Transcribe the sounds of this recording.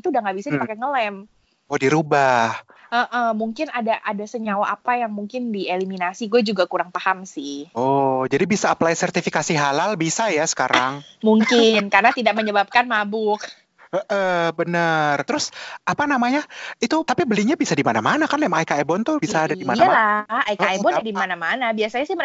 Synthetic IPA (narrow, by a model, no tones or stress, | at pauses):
it̪uːdaŋɡaʔbisaipakɛŋəlɛm | odiɾubahəʔəhmuŋkɪnadaʔadasəɲawaʔapajaŋmuŋkɪndieliminasiɡuad͡ʒuɡakuɾaŋpahamsɪhɔd͡ʒadibisaːplajsərt̪ifikasiɦalalbisajasə̥kaɾʔaŋ | muŋkɪnkarnat̪idaʔ̚məɲəbap̚kanmabʊk | əʔəbənərt̪əɾʊsapanamaɲait̪ut̪apibəliɲabisadimanamanakanemaŋikaebɔnt̪ʊbisaːdadimaalaaikaebɔnadimanamanabiasaɲasɪhmə